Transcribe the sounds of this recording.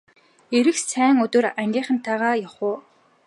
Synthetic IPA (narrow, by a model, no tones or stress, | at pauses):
eɾɘ̆xsæːŋɵt̪oːræŋɡʲiːɴχə̆nt̪ʰːaːʁaːjaχʊː